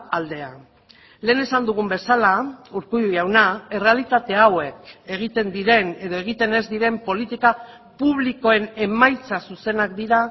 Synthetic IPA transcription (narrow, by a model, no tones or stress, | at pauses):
ald̪e̞a | le̞ːne̞sand̪uɣ̞umbe̞salauɾkuðijawnae̞re̞alit̪at̪e̞awe̞ke̞ɣ̞it̪e̞nd̪iɾe̞ne̞ð̞oe̞ɣ̞it̪e̞ne̞zd̪iɾe̞mpo̞lit̪ika | puβ̞liko̞e̞ne̞majt͡sasuse̞nakd̪iɾa